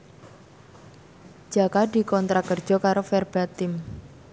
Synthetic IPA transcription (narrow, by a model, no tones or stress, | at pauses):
d͡ʒ̥akadi̤kɔnt̪ɾakər̥d͡ʒ̥ɔ̤kaɾofɛrb̥at̪ɪm